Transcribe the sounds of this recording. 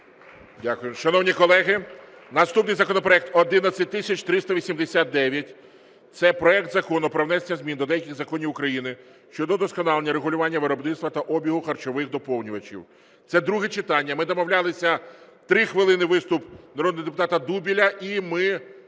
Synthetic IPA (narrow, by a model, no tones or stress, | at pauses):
dʲakʊjʊmʃɐnɔwnʲikɔlˠɛɦɪ | nɐst̪upnɪjzɐkɔnɔpɾɔɛk̚t̪ɔd̪ɪnɐsʲɐt̚ʲt̪ɪsʲɐt͡ʃt̪ɾɪst̪ɐʋʲisʲimd̪esʲat̪̚d̪ɛʋʲjɐtʲ | t̪sɛpɾɔɛk̚t̪zɐkɔnʊpɾɔwnɛsenʲɐzʲmʲind̪ɔd̪ɛjɐkʲɪɣzɐkɔnʲiwʊkɾɐjinɪ | ʃt͡ʃɔd̪ɔd̪ɔskɔnɑlˠenʲːɐɾeɦʊlʲʊʋɑnʲːɐʋɪɾɔbnɪt̪st̪ʋɐt̪ɐʔɔbʲiɦʊxɐrt͡ʃɔʋɪxd̪ɔpɔwnʲʊʋɐt͡ʃʲḭw | t̪sɛd̪ɾuɦɛt͡ʃɪt̪ɑnʲːɐmɪd̪ɔmɔwlʲɑlˠɪsʲɐt̪ɾɪxʋɪlˠɪnɪʋɪst̪ʊpnɐɾɔd̪nɔɦɔd̪epʊt̪ɑt̪ɐd̪ubʲilʲɐʔimɪ